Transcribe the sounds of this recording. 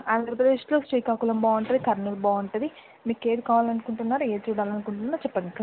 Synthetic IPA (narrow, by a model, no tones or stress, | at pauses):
aːnd̪ɐɾɐpɾɐd̪eːʃlo̞ːsʈiːkaːkulɐmbaːɐɳʈɐd̪ikɐɾnɐlbaːɐɳʈɐd̪i | miːke̞ːd̪ikaːʋaːlɐnukuɳʈunːaːɾue̞ːt͡ʃuːɽaːlɐnukuɳʈunːaːɾt͡ʃɛpːɐnɖika